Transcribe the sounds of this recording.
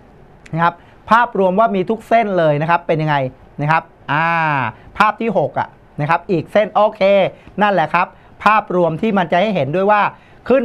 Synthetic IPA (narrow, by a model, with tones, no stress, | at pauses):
kʰa˦˥p̚ | pʰːaː˥˩p̚ɾu˧əmwaː˥˩miː˧t̪ʰu˦˥k̚se˥˩nlɤː˧jna˦˥kʰa˦˥pːe˧nja˧ŋa˧j | na˦˥kʰa˦˥p̚ʔaː˧˩pʰːaː˥˩p̚t̪ʰiː˥˩ɦo˨˩k̚ʔa̰˨˩ | na˦˥kʰa˦˥p̚ʔiː˨˩k̚se˥˩nʔoː˧˩kʰeː˧na˥˩nlɛ˨˩kʰa˦˥p̚ʰː | aː˥˩p̚ɾu˧əmt̪ʰiː˥˩ma˧nt͡ɕa˨ha˥˩jɦe˩˦ndu˥˩əjwaː˥˩ | kʰɯ˥˩n